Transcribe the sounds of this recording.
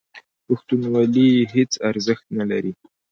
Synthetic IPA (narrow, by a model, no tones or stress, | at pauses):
paxt̪unwaliɦet͡saɾzəxt̪nalaɾi